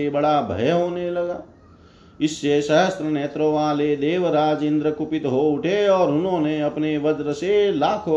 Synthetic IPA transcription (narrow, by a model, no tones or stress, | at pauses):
ebɐɽabʱə̰jɦoːnelɐɡaː | ɪsːeʃəɦəst̪ɾəneːt̪ɾõʋaːled̪eːʋɾaːd͡ʒɪ̃nd̪ɾəkʊpɪt̪ɦoʊʈʰeɔːɾʊnɦõːneɐpneʋɐd͡ʒɾəselaːkʰoː